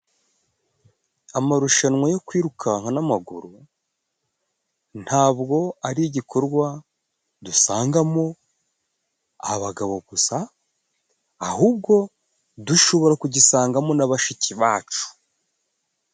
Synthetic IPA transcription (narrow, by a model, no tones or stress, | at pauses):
amaɾuʃanŋwajo̞kwiːɾukʰaŋanamaɡuɾu | n̥haːbɡo̞aɾiɟikʰo̞ɾɡwa | dusaːŋɡamo̞ | aβaɡaβo̞ɡusa | huːbɡo̞ | duʃo̞βo̞ɾakuɟisaːŋɡamo̞naβaʃiciβaːt͡ʃu̥